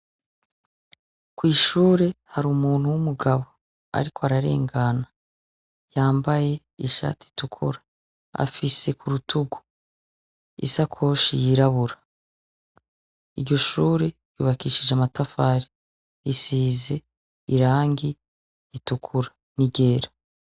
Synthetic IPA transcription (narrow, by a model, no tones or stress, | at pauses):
kwiːʃuːɾe̞haɾuːmuːn̥huwumuɡaβo̞ | a̰ɾikʰoaɾaɾe̞̰ːŋɡana | jaːmbaje̞ | iʃa̰ːti̥tukʰuɾḁ | a̰fise̞kʰuɾutʰuɡu̥ | ḭsakʰo̞ːʃḭjiɾaβuɾa | iɾɟo̞ʃuːɾe̞ | jṵːβakiːʃid͡ʒamatafaːɾi | isiːze̞ | iɾaːŋɡiː | tukʰuɾa | niɡe̞ːɾa